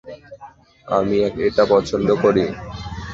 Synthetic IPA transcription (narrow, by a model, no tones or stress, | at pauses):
a̰miɛkeʈapɔt͡ɕʰond̪okoɾi